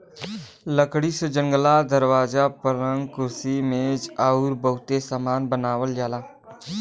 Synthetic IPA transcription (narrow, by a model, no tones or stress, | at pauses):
ləkɽised͡ʒə̃ŋɡəlad̪əɾwaːd͡ʒapəɾəŋɡkʊɾsimẽd͡ʒaːuɾbəɦʊt̪esamaːnbənaːwəld͡ʒaːlaː